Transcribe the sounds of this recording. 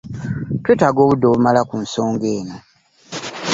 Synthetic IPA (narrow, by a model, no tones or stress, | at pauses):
tweːtaɡo̞ːβudːoːβumalakunso̞ːŋɡeːno